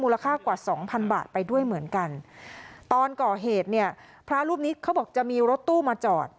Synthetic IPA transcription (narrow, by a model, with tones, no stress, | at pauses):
muː˧la˧kʰaː˥˩kwaː˨˩sɔː˩˦ŋpʰa˧nba̰ː˨˩t̪̚pa˧jdu˥˩əjmɯ˩˦ənka˧nt̪ɔː˧nkɔː˨˩ɦeː˨˩t̪̚ni˥˩ɐ | pʰɾa˦˥ɾuː˥˩p̚niː˦˥kʰa˦˥wbɔː˨˩k̚t͡ɕa˨˩miː˧ɾo˦˥t̪ːuː˥˩maː˧t͡ɕɔː˨˩t̪̚